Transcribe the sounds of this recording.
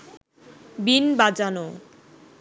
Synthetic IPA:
binbad͡ʑano

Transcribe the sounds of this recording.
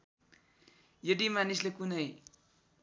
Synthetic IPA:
jʌdimanislekunʌj

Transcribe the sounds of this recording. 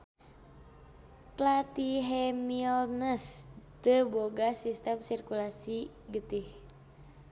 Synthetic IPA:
tlat̪iɦɛmilnəst̪əboɡasist̪əmsirkulasi | ɡət̪ih

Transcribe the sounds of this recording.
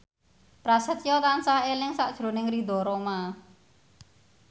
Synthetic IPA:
pɾasət̪jɔt̪ansaelɪŋsaʔd̥ʒ̥ɾo̤nɪŋrid̪ɔ̤ɾoma

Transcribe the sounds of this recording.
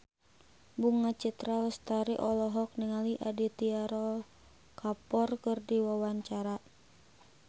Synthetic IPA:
buŋat͡ʃit̪ɾalst̪aɾiʔɔlɔɦɔk̚niŋaliʔadit̪iaɾɔ | kapɔrkɨrdiwawaɲt͡ʃaɾa

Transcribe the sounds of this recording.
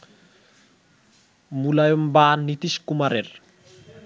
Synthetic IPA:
mulajombaːnit̪iʃkumaɾeɾ

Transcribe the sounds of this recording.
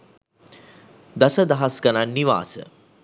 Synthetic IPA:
d̪asəd̪aɦaskənanːiʋa̰ːsə̰

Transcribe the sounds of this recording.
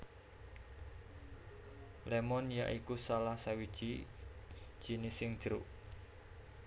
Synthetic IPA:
lɛmɔnja̰ʔikusalahsawid̥ʒ̥i | d̥ʒ̥i̤nisɪŋ̥ʒ̥ɾuʔ

